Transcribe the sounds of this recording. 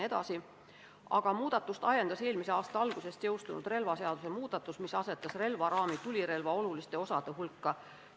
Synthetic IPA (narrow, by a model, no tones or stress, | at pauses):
e̞d̪ɑ̰si | ɑɡ̥ɑmuːd̪ɑt̪ːˑust̪ɑjend̪ɑse̞ːlmise̞ɑːst̪ɑɑlɡ̥use̞st̪jɤwst̪unṵd̪̥re̞lvɑse̞ɑd̪̥usemuːd̪̥ɑt̪ːˑusmisɑse̞t̪ːˑɑsre̞lvɑɾɑːmit̪ulʲiɾe̞lvɑolulist̪e̞o̞sɑd̪̥e̞ɦulkːɑ